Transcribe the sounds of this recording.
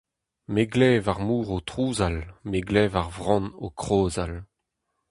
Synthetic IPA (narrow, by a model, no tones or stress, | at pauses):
meɡlɛːvaʁmuːʁot̪χuːzalmeɡlɛːvaʁvʁɑ̃nokχoːzal